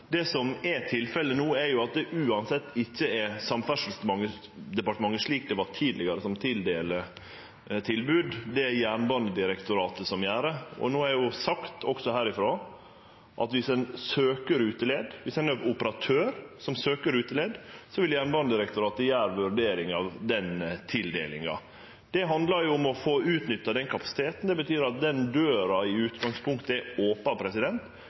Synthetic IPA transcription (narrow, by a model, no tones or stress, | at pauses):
d̪ɛsɔmɛt̪ʰɪlfɛlənuːɛɾjʊɑt̪̚d̪ɛʔʉːɑnsɛt̪ːɪçːəɛsɑmfæʂəl̩sd̪əmɑŋːə | d̪ɛpɑʈəmɑŋːəʂɭiːk̚d̪ɛʋɑʈʰiːd̪lɪɡɑɾəsɔmt̪ʰɪld̪eːlə | t̪ʰɪlbʉːd̪d̪ɛæjæːɳbɑnəd̪ɪɾɛkt̪ʊɾɑːt̪əsɔmjæːɾəɔ̰noːæɾjʊsɑkt̪ʰɔksɔhæːɾɪfɾoː | ʔɑ̰t̪ʋɪsɛnsøːkəɾʉːt̪əleːd̪ʋɪsɛnøpʊpəɾɑt̪ʰøːɾsɔmsøːkəɾʉːt̪əleːd̪sɔʋɪljæːɳbɑnd̪əd̪ɪɾɛkt̪ʊɾɑːt̪əjæːɾʋʉɾɖeːɾɪŋɑʋd̪ɛnt̪ʰɪld̪ḛːlɪ̰ŋɑ̰ | d̪̥ɛɦɑnd̪lɑɾjʊʊmɔfoːʉːt̪nʏt̪ːɑd̪ɛnkʰɑpɑsɪ̥t̪ʰeːt̪n̩d̪ɛbət̪ʰyːɾɑt̪̚d̪ɛnd̪øːɾɑɪʉːt̪ɡɑŋspʰʊŋkt̪əɛoːpɑpʰɾɛsɪd̪ɛnt̪